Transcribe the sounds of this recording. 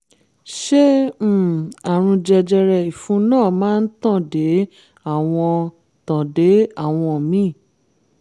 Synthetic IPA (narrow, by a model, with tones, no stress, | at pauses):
ʃe˦˨ | a˨ɾ̃ũ˧d͡ʒɛ˧d͡ʒɛ˧ɾɛ˧i˨fũ˨˦nãː˦˨mãː˦n̩˦tã˦˨de˨˦ | a˦˨w̃ɔ̃˧ | tɔ̃˨de˨˦a˦˨w̃ɔ̃˧mĩ˨˦˨